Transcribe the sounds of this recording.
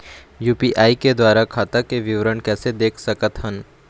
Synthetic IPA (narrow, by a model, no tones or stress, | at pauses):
juːpiʔaːiked̪waːɾakʰaːt̪akeʋɪʋɾənkɛːsed̪eːkʰsɐkət̪ɦən